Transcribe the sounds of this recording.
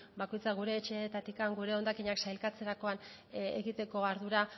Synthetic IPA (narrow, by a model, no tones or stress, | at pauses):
bako̞jt͡saɣ̞uɾe̞ːt͡ʃe̞et̪at̪ikaŋɡuɾe̞o̞nd̪akiɲaksajlkat͡se̞ɾako̞an | ḛɣit̪e̞ko̞aɾðuɾa